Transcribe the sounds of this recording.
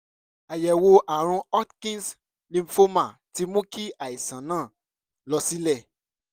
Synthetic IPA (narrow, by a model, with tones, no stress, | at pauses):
a˨jɛ˨wo˧ʔa˨ɾ̃ũ˧ɔ˦tkĩ˦ns | lĩ˨˧m˨˦fo˦mã˦˨ti˨˦mõ˦ki˦a˨i˨sã˨nãː˦˨ | lɔ˧si˦lɛ˦˨